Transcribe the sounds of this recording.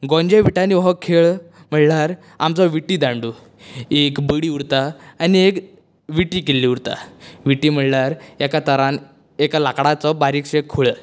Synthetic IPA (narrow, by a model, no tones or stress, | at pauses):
ɡɔ̃ɲd͡ʑeʋiʈaniʋɦɔkʰeɭ | m̤əɭlaɾ | amt͡sɔʋiʈːiːd̪aɳɖu | ekbəɽiːuɽt̪aːniek | ʋiʈiːkelːiːuɾt̪a̰ʋiʈiːm̤əɭlaɾjakat̪əɾan | ekalakɽat͡sɔbaɾikɕekʰuɭə